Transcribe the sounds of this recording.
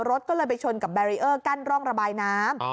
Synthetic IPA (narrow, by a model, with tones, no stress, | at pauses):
ɾo˦˥t̪̚kɔː˥˩lɤː˧jp̬a˧jt͡ɕʰo˧nka˨˩p̚bɛ˧ɾiː˦˧ʔɤː˥˩ka˥˩nɾɔː˥˩ŋɾa˧baː˧jnaː˦˥m